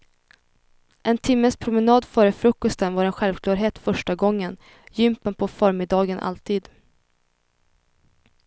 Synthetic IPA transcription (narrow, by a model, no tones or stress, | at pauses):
ʔɛnt̪ʰɪmːəspʰɾʊmɛnɑːd̪fœːɾəfɾɵkːɔst̪ənvaɾɛnɧɛlvkʰlɑːɾɦeːt̪fœʂʈaɡɔŋːən | jʏmpənpʰɔfœːɾmɪd̪ɑːɡənʔa̰lt̪ʰiːd̪